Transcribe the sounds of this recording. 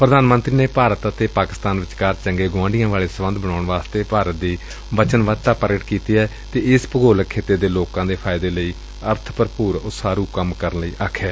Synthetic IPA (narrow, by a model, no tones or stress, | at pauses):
pɾəd̪aːnmənt̪ɾiːneːpaːɾət̪ət̪eːpaːkɪst̪aːnʋɪt͡ʃkaːɾt͡ʃəŋɡeːɡʊʋãːɳɖɪjãːʋaːɭeːsəʋənd̪bəɳaːʊɳʋaːst̪eːpaːɾət̪̚d̪iː | ʋət͡ʃənʋaːt̪aːpəɾɡəʈkiːt̪iːɛː | t̪eːɪspəɡoːləkʰːeːt̪eːd̪eːloːkãːd̪eːpʰaːɪd̪eːləiː | əɾt̪ʰpəɾpuːɾʊsaːɾuːkəmkəɾənləiːʔaːkʰːɛː